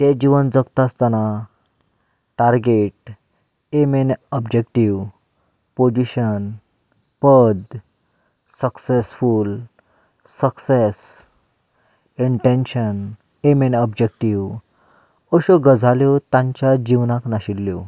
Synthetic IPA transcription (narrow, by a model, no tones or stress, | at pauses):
t̪ed͡ʑiʋənd͡zəkt̪ast̪ana | ʈaɾɡeʈ̚ | emenɔbd͡ʑekʈiʋ | pod͡ʑiɕən | pəd̪ | səksesful | səkses | iɳʈẽnɕən | emenɔbd͡ʑek̚ʈiʋ | ɔɕoɡəd͡zʱaljɔt̪ãɲt͡ɕjad͡ʑiʋnaknaɕilːjo